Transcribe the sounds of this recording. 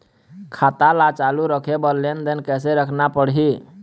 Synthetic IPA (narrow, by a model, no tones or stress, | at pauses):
kʰat̪alat͡ʃaluɾəkʰebəlːend̪enkɛseɾəkʰnapəɽɦi